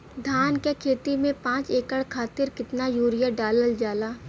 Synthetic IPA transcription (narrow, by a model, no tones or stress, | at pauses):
d̪ʱaːnkekʰeːt̪imẽpãːt͡ʃeːkəɽkʰaːt̪ɪɾkɪt̪najuːɾɪjəɖaːləld͡ʒaːlaː